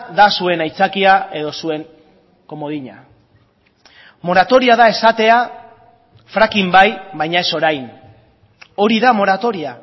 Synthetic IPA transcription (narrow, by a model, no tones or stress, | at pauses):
ðasue̞najt͡sakiae̞ðo̞sue̞ŋ | ko̞mo̞ðiɲa̰ | mo̞ɾat̪o̞ɾiaðae̞sat̪e̞a | fɾakimbajbajɲae̞so̞ɾajn | o̞ɾiðamo̞ɾat̪o̞ɾia